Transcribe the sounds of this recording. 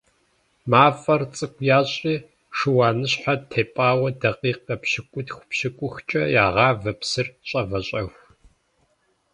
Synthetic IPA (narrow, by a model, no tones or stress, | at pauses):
maːfɐrt͡sʼɨkʷʰjaːɕʼiː | ʂɨwaːnɨɕħatʰeːpʼaːwɐdɐqiːqɐpɕɪkʷʼʊdxʷʊ̥pʃɪkʷʼʊxt͡ʃʼɐjaːʁɑːvɐpsɨrɕʼɐvɐɕʼɐxʷ